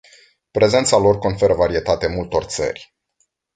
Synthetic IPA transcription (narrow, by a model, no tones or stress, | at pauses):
pɾe̞ze̞nt̪salo̞rko̞nfe̞ɾəvaɾie̞t̪at̪emult̪o̞rt̪sə̰rʲ